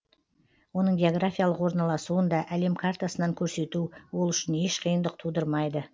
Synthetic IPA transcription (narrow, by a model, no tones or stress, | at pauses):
wo̞nəɴɡʲe̞o̞ɡrafʲijalˠəqwo̞ɾnɑlˠɑsuənd̪ɑʔæle̞mkʰart̪asənɑŋkʲʰɵɾse̞t̪uwolˠʏʃɪne̞ʃqʰəjənd̪əq̚t̪ʰud̪əɾmɑjd̪ə